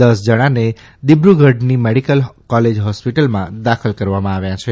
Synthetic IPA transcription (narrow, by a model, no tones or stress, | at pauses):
d̪əsd͡ʒəɽ̃ane | d̪ibɾuɡʱəɖnimeɽikəlkɔled͡ʒɦɔspiʈəlmãd̪akʰəlkəɾʋamãaʋjãt͡ʃʰe